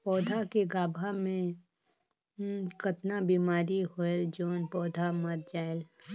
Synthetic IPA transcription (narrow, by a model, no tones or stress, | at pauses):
pɔːd̪ʱakeɡaːbʱamẽ | kət̪nabiːmaːɾiɦoeld͡ʒoːnpɔːd̪ʱaməɾ̚d͡ʒaːel